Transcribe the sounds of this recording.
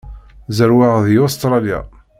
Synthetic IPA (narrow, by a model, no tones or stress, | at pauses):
zəɾwaʁðjost̪ɾˤɑlja̰